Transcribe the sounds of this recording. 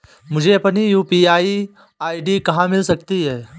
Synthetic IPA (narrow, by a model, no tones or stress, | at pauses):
mʊd͡ʒʱeɐpnijuːpiaːi | aːiɖikɐɦãmɪlsɐkt̪iɦɛː